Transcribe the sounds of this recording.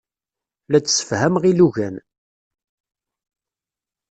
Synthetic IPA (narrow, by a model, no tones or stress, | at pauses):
læt͡sːsə̥fhæmʁiluʝæn